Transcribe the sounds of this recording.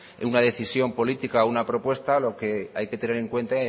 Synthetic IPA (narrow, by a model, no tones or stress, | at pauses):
unaðe̞θisjo̞mpo̞lit̪ikaounapɾo̞pwe̞st̪alo̞ke̞ajke̞t̪e̞ne̞ɾe̞ŋkwe̞nt̪ae